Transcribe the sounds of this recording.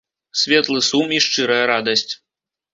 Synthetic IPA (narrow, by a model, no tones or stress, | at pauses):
sʲvʲɛt̪lˠɨsumiʂt͡ʂɨɾɐjɐɾad̪ɐsʲt͡sʲ